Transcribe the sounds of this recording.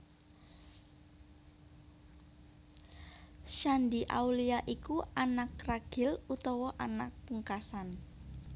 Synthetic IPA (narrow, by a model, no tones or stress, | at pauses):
ʃand̪iʔa̰wliaʔikuanakraɡ̥ɪ̤lut̪ɔwɔʔanak̚puŋkasan